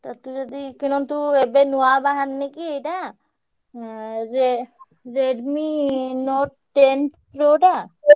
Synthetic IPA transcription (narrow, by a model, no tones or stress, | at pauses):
t̪at̪ud͡ʒɔd̪ikinɔnt̪uebenuabaɦanːekiejʈa | ɾe | ɾeɖminɔʈ̚ | ʈentpɾoːʈa